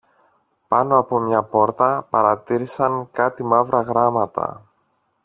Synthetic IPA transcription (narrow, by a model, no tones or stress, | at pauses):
pɐno̞ɐpo̞mɲɐpo̞ɾt̪ɐpɐɾɐt̪iɾisɐŋkɐt̪imɐvɾɐɣɾɐmɐt̪ɐ̰